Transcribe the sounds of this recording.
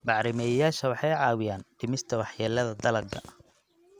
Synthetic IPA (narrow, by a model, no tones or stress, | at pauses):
bɑʕɾɪmɛjɐjaːʃɐwɑħɑjʕɑːwɪjaːnʈ̪ʰɪmɪst̪ʰɐwɑħjɛːlɐðɐd̪ɐlɐɡɐ̰